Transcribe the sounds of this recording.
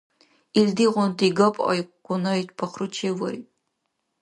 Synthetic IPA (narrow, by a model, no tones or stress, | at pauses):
ildiʁʷɔntʰʼiɡɐpʰʼɐ̰jkʷʼʊnɐjtʰpʰɐχrɨt͡ʃʰeːwɐj